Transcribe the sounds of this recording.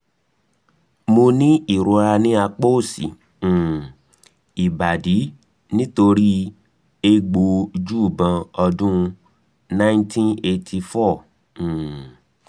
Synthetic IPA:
mo˧nĩ˦i˦˨ɾo˧ɾa˧nĩ˦a˧k͡po˦˨sḭ̃˨ | i˨ba˨di˨˦ | nĩ˦to˧ɾi˦ | e˧ɡ͡bo˨˦d͡ʒu˦˨bã˧ɔ˧dũ˦˧ | nã˦ntʰĩ˦ne˧tʰi˧fɔ̃˦˨

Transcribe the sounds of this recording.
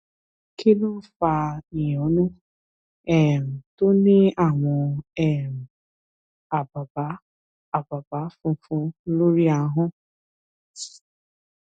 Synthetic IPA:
ki˦nʊ˦fa˨i˨jo˨˦nu˦ | ɛ˨m̩˨to˦ne˦a˨ŋʷʊ˨ɛ˦˨m̩˨ | a˨ba˨ba˦ | a˨ba˨ba˨˦fʊ˨fʊ˦lo˦ɾi˦a˨˦ɦʊ˦

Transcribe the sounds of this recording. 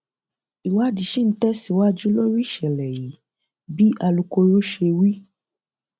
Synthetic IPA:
i˨wa˦di˨ʃĩ˦n̩˦tɛ˦si˨wa˦d͡ʒu˦lo˦ɾi˦˨ʃɛ˨lɛ˨ji˨˦ | bi˦a˧lu˧ko˧ɾo˦ʃe˧wi˦

